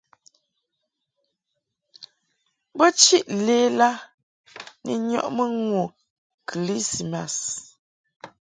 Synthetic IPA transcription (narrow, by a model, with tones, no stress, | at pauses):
bə˦t͡ʃi˦ʔleː˦la˦ | nḭ˨ɲɔ̰˦ʔmə˦ŋwo˨ | kʰi˨li˦si˨ma˨s